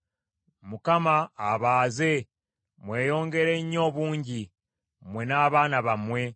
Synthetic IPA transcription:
mukamaːβaːze̞ | mwe̞ːjo̞ːŋɡe̞ɾe̞ɲːo̞ːβuːɲɟi | mwe̞naːβaːnaβamwe̞

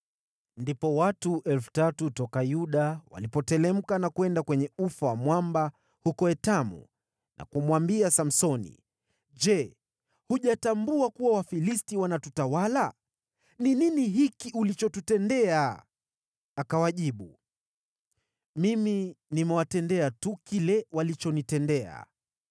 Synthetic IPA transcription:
ndipɔwatuʔɛlfu̥tatutɔkajuɗawa̰lipɔtɛlɛm̩kanakuɛndakwɛɲɛufawamwamba | hukɔɛtamṵ | nʔa̰kumwambiasam̩sɔnḭ | d͡ʒɛ | huʄatambuakuwawafilistiwanatutawala | nininiɦikiʔulit͡ʃɔtutɛndɛa | kawaʄiɓu | miminimɛwatɛndɛatukilɛwalit͡ʃɔnitɛndɛa̰

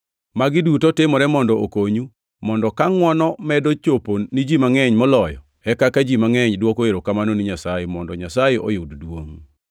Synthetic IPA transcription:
maɡɪdutɔtemɔɾɛmɔndɔokoɲu | mɔndɔkaŋwɔnɔmɛdot͡ʃoponid͡ʒimaŋɛɲmɔlɔjɔ̰ | ɛkakad͡ʒimaŋɛɲdwokoeɾokamanoniɲasajemɔndɔɲasajeʔɔ̰joddwo̰ŋ

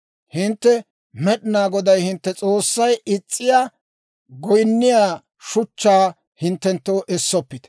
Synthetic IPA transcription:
hɪnt̪ːɛ | mɛɗɪnaːɡɔd̪ɐjhɪnt̪ːɛt͡sʼo̞ːsːɐjɪt͡sʼːɪjaː | ɡɔjnːɪjaː | ʃʊt͡ʃːaː | hɪnt̪ːɛnt̪ːoːʔɛsːɔpːɪt̪

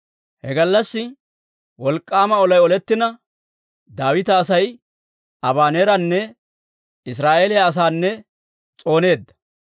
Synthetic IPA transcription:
hɛ̰ɡɐlːɐsːɪ | wɔlkʼːaːmɐɔlɐjɔlɛt̪ːɪnɐ | d̪aːwɪt̪ɐːsɐj | ɐbaːneːɾɐnːɛ | ɪs̬ɾaːʔeːlɪjaːs̬aːnːɛ | t͡sʼo̞ːne̞ːd̪ːɐ̥

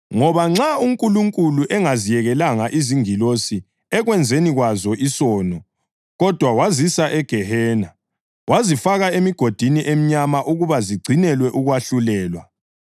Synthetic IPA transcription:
ŋɔβaŋ͡ǁauŋkʼuluŋkʼuluʔɛŋazijɛɣɛlaŋaʔiziŋilosi | ɛɣwɛnd͡zʱeniɣwazɔisɔːnɔ | ɣɔd̥ʱwawazisaʔɛɡ̥ʱɛhɛːna | wʔazifaɣaemiɡ̥ʱod̥ʱiniʔem̩ɲamaʔuɣuβaziɡ͡ǀʱinɛlwɛʔuɣwaɬulɛːlwa

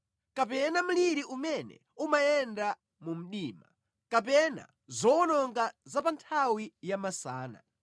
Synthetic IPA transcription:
kapɛnam̩liɾiʔumɛnɛ̰ | umajɛnda | mum̩ɗiːma | kapɛna̰ | zɔɔnɔŋɡazapantʰawijamasaːna̰

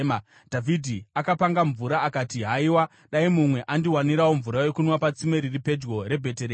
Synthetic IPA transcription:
ma | d̥ʱavʱidʱiakapaŋɡaɱvuɾaːkatiɦaiwa | ɗaimumwe̞ʔandiwaniɾawo̞ɱvuɾaje̞kunwapat͡simeɾiripe̞d͡ʒɡo̞ɾe̞bʱe̞teɾe

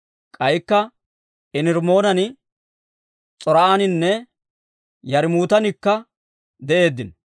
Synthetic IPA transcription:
kʼɐjkːɐ | ɪnɪɾmo̞ːnɐn | t͡sʼɔɾɐaːnɪnːɛ | jɐɾmuːt̪ɐnɪkːɐ | d̪ɛʔe̞ːd̪ːɪn

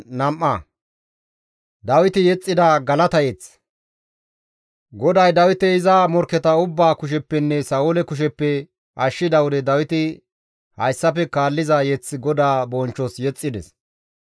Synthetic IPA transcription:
nɐmʔːɐ | d̪ɐwɪt̪ɪjɛt͡sʼːɪd̪aːɡɐlɐt̪ɐjɛt͡s | ɡɔd̪ɐjd̪ɐwɪt̪ɛɪzɐmɔɾkːɛt̪ɐʊbːaːkʊʃ̬ɛpːɛnːɛsɐʊlɛkʊʃ̬ɛpːɛ | ʔɐʃːɪd̪ɐwɔd̪ɛd̪ɐwɪt̪ɪ | hɐjsːɐfɛkaːlːɪzɐjɛt͡sːɪɡɔd̪aːbɔnt͡ʃːɔsjɛt͡sʼːɪd̪ɛ̰s

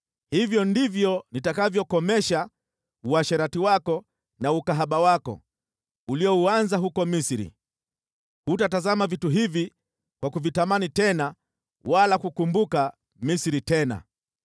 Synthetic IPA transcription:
hivjɔndivjɔnitakavjɔkɔmɛʃa | uaʃaɾatiwakɔ | naukaɦaɓawakɔ̰ | uliɔuanzaɦukɔmisiɾḭ | hutatazamavituɦivi | kwakuvitamanitɛna | walakukumbuka | misiɾitɛna̰

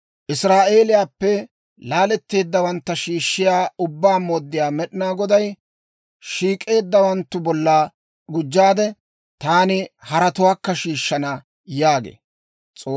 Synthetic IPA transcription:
ʔɪsɾaːʔe̞ːlɪjaːpːɛ | laːlɛt̪ːe̞ːd̪ːɐwɐnt̪ːɐʃiːʃːɪjaːʊbːaːmoːd̪ːɪjaːmɛɗɪnaːɡɔd̪ɐj | ʃiːkʼe̞ːd̪ːɐwɐnt̪ːʊbɔlːa | ɡʊd͡ʒːaːd̪ɛ | t̪aːnɪhɐɾɐt̪ʊwaːkːɐʃiːʃːɐnɐ | jaːɡḛː | t͡sʼoː

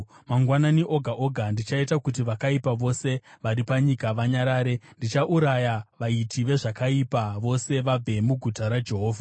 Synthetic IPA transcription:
maŋɡwananiʔo̞ɡʱaʔo̞ɡʱandit͡ʃaitakut̬iʋakaipaʋo̞se̞ʋaɾipaɲikaʋaɲaɾaːɾe̞ndit͡ʃaʔuɾajaʋaitʰiʋe̞ʐakaipaʋo̞se̞ʋab͡vʱe̞muɡʱutaɾad͡ʒe̞ɦoːvʱa

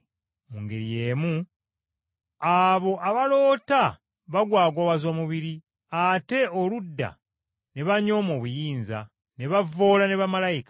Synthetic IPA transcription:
muŋɡeɾije̞ːmu | aβo̞ʔaβalo̞ːta | βaɡwaːɡwoβazoːmuβiɾi | ate̞oludːa̰ | ne̞βaɲo̞ːmo̞ːβujiːnza̰ | ne̞βavo̞ːlane̞βamalajikḁ

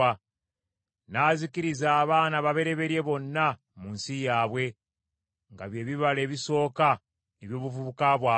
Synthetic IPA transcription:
a | naːzikiɾizaːβaːnaβaβe̞ɾe̞βe̞ɾje̞βo̞nːa | muːnsijaːβwe̞ | ŋɡa̰βje̞ːβiβale̞ːβiso̞ːka | neβjo̞ːβuvuβukaβwaː

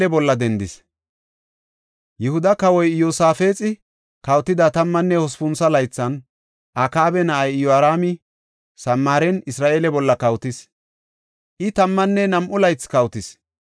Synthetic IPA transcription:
ɛbɔlːɐd̪ɛnd̪ɪs | jɛhʊd̪ɐkɐwɔjjoːsaːfe̞ːt͡sʼɪ | kɐwt̪ːɪd̪ɐt̪ɐmːɐnːɛhɔspʊnsɐlɐjt͡sːɐn | ʔakaːbɛnɐʔɐjjɔaɾaːmɪ | sɐmːaːɾɛnɪsɾaːʔe̞ːlɛbɔlːɐkɐwt̪ɪs | ʔɪt̪ɐmːɐnːɛnɐmʔʊlɐjt͡sːkɐwt̪ɪs

